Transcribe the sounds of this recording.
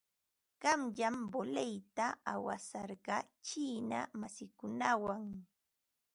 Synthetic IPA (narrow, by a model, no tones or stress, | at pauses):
ɢ̥ɑmʎambolejt̪aawa̰sɑɾɢɑt͡ʃiːna̰masɪkʊnawaŋ